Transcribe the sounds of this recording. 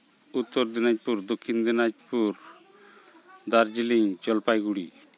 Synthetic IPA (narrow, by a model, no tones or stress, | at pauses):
ut̪ːɔɾd̪inad͡ʒpuɾd̪okʰːind̪inad͡ʒpuɾ | d̪aɾd͡ʒiliŋt͡ʃɔlpajɡuɽi